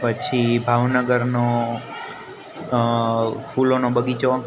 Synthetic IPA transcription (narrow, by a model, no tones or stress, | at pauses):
pət͡ʃʰibʱaʋnəɡəɾno | fʰulonobəɡit͡ʃo